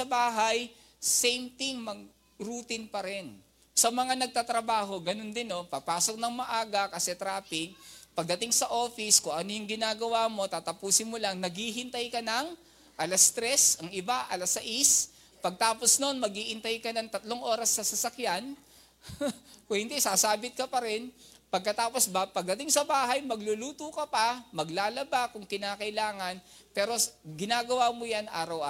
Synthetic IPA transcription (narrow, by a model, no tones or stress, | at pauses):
ɐbaːɦaj | sɛjmt̪ɪŋmɐɡ | ɾut̪ɪnpɐɾɛn | sɐmɐŋanɐɡ̚t̪aːt̪ɾɐbaːɦo̞ɡɐno̞nd̪ɪnːo̞pɐpaːso̞k̚nɐŋmɐʔaːɡɐkɐsɛt̪ɾaːpɪk̚pɐɡ̚d̪ɐt̪ɪŋsɐʔo̞ːfɪskʊŋʔɐnojʊŋɡɪnaːɡɐwaːmo̞t̪aːt̪ɐpuːsɪnmolaŋnɐɡhiɦɪnt̪ajkɐnɐŋ | ʔɐlɐst̪ɾɛsɐŋʔɪbaʔɐlɐsɐʔis | pɐɡ̚t̪aːposno̞nmɐɡiːʔɪnt̪ajkɐnɐŋt̪ɐt̪lo̞ŋʔo̞ːɾɐsːɐsɐsɐkjan | kwɛnt̪ɛsaːsaːbɪt̪̚kɐpɐɾɛn | pɐɡ̚kɐt̪aːpo̞sbɐpɐɡ̚d̪ɐt̪ɪŋsɐbaːɦɐjmɐɡlʊluːt̪ʊkɐpɐmɐɡlaːlɐbakʊŋkɪnaːkɐʔɪlaːŋɐnpɛːɾo̞ɡɪnaːɡɐwaːmojanʔa̰ːɾɐwʔa